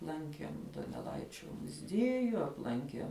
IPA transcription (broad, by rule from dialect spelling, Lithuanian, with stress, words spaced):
ˈlˠɐŋʲkʲiɛm doːnʲɛˈlˠɐɪt͡ʃʲoː mʊˈzʲiɛjʊ ɐpˈlˠɐŋʲkʲiɛm